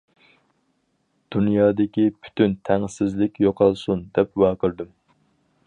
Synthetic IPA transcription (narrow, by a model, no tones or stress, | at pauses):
d̪̥unjɑːd̪ɪkʲipʰy̥t̪ynt̪ʰɛŋsɪzlɪkʲjoqʰɑlˠsund̪ɛpwɑːqʰəɾd̪ɨm